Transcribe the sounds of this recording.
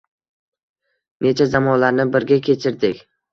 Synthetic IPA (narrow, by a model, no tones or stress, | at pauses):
ne̞t͡ʃʰazamɒnlaɾnɪbɪɾɡʲakʲʰe̞t͡ʃʰɪɾd̪ɪkʲ